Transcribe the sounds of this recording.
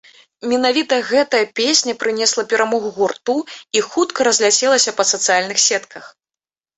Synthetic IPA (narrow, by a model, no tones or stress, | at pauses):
mʲɛnavʲit̪ɐɣɛt̪ɐjɐpʲesʲnʲɐpɾɨnʲɛslˠɐpʲɛɾamɔɣuɣurt̪uixut̪kɐɾɐzʲlʲat͡sʲɛlˠɐsʲɐpɐsɐt̪sɨjalʲnɨxsʲɛt̪kʰɐx